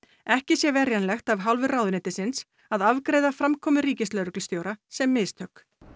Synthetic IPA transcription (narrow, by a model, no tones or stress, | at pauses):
ɛhcɪsjɛvɛɾjanlɛxt̪avɦalvʏraːwðɪnɪːt̪ɪsɪns | aðavkɾeːjðafɾamkʰɔːmʏɾiːcɪst̪lœɾʏklst̪joːwɾasɛmːɪːst̪ʰœkː